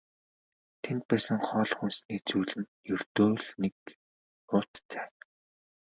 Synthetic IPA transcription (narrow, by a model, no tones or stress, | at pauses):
t̪ʰent̪̚pæːsə̆ŋχɔːɮχunsniːt͡suːɮɘ̆njɵrt̪oːɮnek | ʊt̪t͡sæː